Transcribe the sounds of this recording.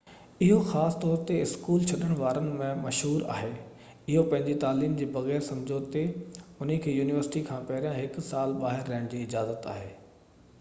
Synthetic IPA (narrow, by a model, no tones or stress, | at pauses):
ɪɦoxaːst̪ɔːɾt̪eɪskuːlt͡ɕʰɐɗəɽ̃ʋaːɾənɪ̆mẽmɐʃɦuːɾa̰ːɦeː | ɪɦopɐ̃ɦɪ̃ɲd͡ʑit̪aːliːmd͡ʑeːbɐɣɛːɾsɐ̃md͡ʑʱot̪eʊnĭkʰeːjuːnɪʋəɾsɪ̥ʈikʰãːpɐɾjãɦɪksaːlɓaːɦɪɾːɐɦəɽ̃d͡ʑiːɪd͡ʑaːzət̪a̰ːɦeː